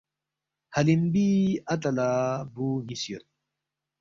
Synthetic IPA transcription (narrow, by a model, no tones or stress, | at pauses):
hɐlimbiːɐt̪̬ɐlaːbuːnisijoɾ